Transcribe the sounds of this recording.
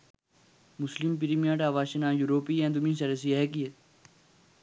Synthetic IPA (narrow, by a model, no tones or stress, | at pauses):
mʊslimpiɾimiãʈaːʋaːʃinãːjuɾoːpiɛ̃ːd̪umĩːsɐɾes̬iekie